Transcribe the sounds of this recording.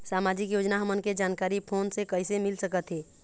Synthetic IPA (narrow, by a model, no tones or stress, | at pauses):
saːmaːd͡ʒikjoːd͡ʒnaɦəmənked͡ʒaːnkaːɾipʰoːnsekəɪsemɪlsəkət̪ɦeː